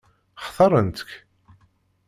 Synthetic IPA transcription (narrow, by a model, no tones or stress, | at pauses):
χθˤɑɾˤənt̪ə̥k